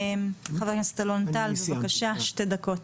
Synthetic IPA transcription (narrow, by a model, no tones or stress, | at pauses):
mχaveknest̪alont̪alsbakaʃaʃte̞d̪ako̞t